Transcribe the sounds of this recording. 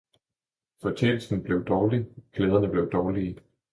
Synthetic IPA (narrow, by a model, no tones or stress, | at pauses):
fɒ̽t͡ɕʰḛːnl̩sn̩b̥le̝ʊd̥ɒːliɡ̥leːð̞ˠɐnəb̥le̝ʊd̥ɒːliː